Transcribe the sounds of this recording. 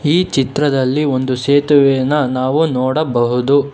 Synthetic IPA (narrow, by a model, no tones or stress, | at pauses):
iːt͡ʃit̪ɾɐd̪ɐlːiond̪useːt̪uʋɛnːɐnaːʋunɔːɽɐbɐɦud̪u